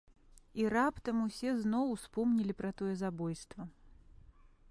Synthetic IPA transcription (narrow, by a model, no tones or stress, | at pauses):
iɾapt̪ɐmusʲɛznɔwspɔmnʲilʲipɾɐt̪ɔjɛzabɔjst̪vɐ